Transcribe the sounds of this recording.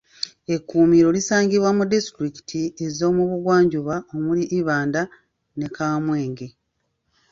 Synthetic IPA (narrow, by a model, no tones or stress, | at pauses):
e̞kːuːmiɾo̞lisaːŋɟiβwamudistɾiki̥tʰie̞zo̞ːmuβuɡwaːɲɟuβao̞muliʔːβaːnda | ne̞kʰaːmwe̞ːŋɡe̞